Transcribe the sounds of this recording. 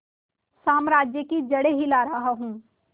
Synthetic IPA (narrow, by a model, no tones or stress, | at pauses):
saːmɾaːd͡ʒjəkid͡ʒɐɽeɦilaːɾɐɦaɦũː